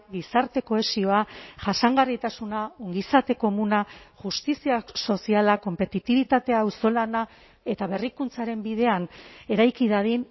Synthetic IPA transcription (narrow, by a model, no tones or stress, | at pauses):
ɡisaɾt̪e̞ko̞e̞sio̞aʝasaŋɡarit̪asunaoŋɡisat̪e̞ko̞munaʝust̪isiaso̞sialako̞mpe̞t̪it̪iβ̞it̪at̪e̞awso̞lana | e̞t̪aβe̞rikunt͡saɾe̞mbið̞e̞ane̞ɾajkiðaðin